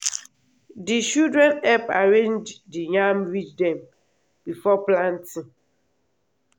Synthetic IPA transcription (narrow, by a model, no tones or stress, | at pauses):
dit͡ʃuldɾɛnɛpaɾẽɲd͡ʒdiɲamɾit͡ʃdɛ̃m | bifɔplan̩ti